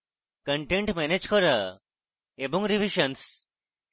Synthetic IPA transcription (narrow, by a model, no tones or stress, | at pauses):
kəɳʈeɳʈmɛned͡ʒkɔɾə | ebɔŋɾiʋiʃəns